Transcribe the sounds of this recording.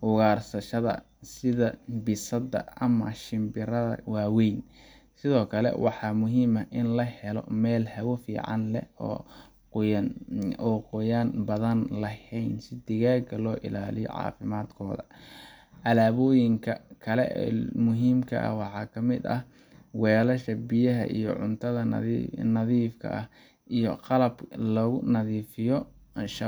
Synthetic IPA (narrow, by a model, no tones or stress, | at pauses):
hʊɣaːrsɐʃɐðɐ̰ | sɪðɐbɪsɐd̪ɐ̰ɐmɐʃɪmbɪɾɐðɐ̰waːwɛjn | sɪðɔːkʰɐlɛ̰wɑħɑːmʊɦiːmɐʔɪnlɐhɛlɔ̰mɛːlhɐwɔfḭːʕɑ̰nlɛ̰ɔ̰ː | nɔːqʊjaːnbɐðɐnlɐhɛjnsɪd̪ɪɣaːɡɐlɔːʔɪ̰laːlɪjɔ̰ʕɑ̰ːfɪmaːd̪kʰɔːðɐ̰ | ʔɐlaːβɔːjɪŋkʰɐkʰɐlɛ̰ʔmʊɦiːmkʰɐ̰ʔɐ̰wɑħɑːkʰɐmɪd̪ɐ̰h | wɛːlɐʃɐbɪjɐɦɐ̰ʔḭjɔ̰ʕʊnt̪ʰɐðɐnɐðiːfkʰɐ̰ʔɐh | ʔijɔqɑlɐblɔɣʊnɐðiːfɪjɔ | ʃɐ